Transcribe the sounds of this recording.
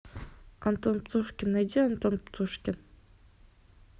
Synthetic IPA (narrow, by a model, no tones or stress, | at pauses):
ant̪onpt̪ʰuʃkʲɪnad̪ʲiant̪onpt̪ʰuʃkʲɪn